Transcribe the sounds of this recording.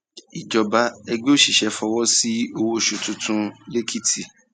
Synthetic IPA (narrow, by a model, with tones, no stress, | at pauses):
i˨d͡ʒɔ˨ba˨˦ɛ˧ɡ͡be˦o˦˨ʃi˨ʃɛ˨˧fɔ˧wɔ˦si˦o˧wo˦ʃu˧tũ˧tũ˦le˦kʰi˦tʰi˨